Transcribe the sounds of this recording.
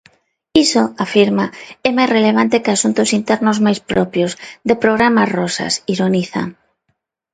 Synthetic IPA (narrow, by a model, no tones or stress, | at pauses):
isoafiɾmaɛmajsreleβ̞ant̪ɪkasunt̪ʊsint̪ɛɾnozmajspɾɔpjozðepɾoɣ̞ɾamazrɔsa̰siɾoniθa̰ŋ